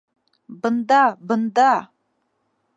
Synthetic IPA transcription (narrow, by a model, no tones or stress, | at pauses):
bɨnd̪abɨnd̪a